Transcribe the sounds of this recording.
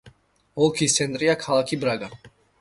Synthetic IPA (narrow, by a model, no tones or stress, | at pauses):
ɔlˠkʰisɛnt̪ʼɾijakʰalˠakʰibɾaɡa